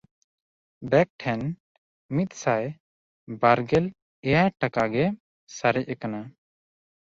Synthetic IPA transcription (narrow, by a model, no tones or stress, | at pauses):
bɛk̚ʈʰɛn | mit̪̚ˀsaj | baɾɡɛl | ɛjajʈakaɡɛ | saɾɛc̚ɛkana